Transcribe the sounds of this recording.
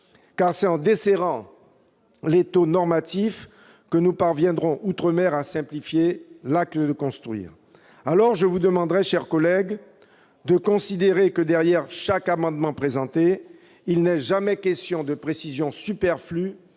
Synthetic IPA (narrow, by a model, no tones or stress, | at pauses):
kaʁsɛt̪ɑ̃d̪eseʁɑ̃ | let̪onɔʁmat̪if | kənupaʁvjɛ̃d̪ʁɔ̃ʔut̪χəmɛʁasɛ̃plifjelak̚t̪əd̪əkɔ̃st̪χɥḭːʁ | alɔʁʒəvud̪əmɑ̃d̪ʁɛʃɛʁkɔlɛɡ | d̪əkɔ̃sid̪eʁekəd̪ɛʁjɛʁʃakamɑ̃d̪mɑ̃pχezɑ̃t̪e | ilnɛʒamɛkʲɛst̪jɔ̃d̪əpχesizjɔ̃sypɛʁfly